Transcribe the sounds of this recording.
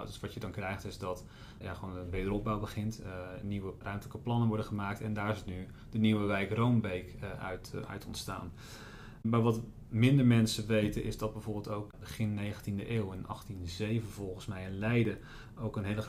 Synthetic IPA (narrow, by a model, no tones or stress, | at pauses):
døsʋɑtjədɑnkrɛjχtɪzdɑt | ja̰χəʋoːnənʋeːdərɔb̚bawbəχɪntniʋərœɥmtələkəplɑnənʋɔɹdəχəmaːk̚tɛndaːɹzitny | dəniwəʋɛjkrowmbejktœ̰ɥtʰɔ̰ntsta̰ːn | maːɹʋɑt | mɪndəɹmɛnsəʋejtənʔɪzdɑd̚bɛjvoːɹbɪlˠtowk̚bəχɪnːejχəntindəʔeːwɛnɑ̰χtinzejvənvɔlˠχənsmɛjɛnlɛjdə | owkənɦejlə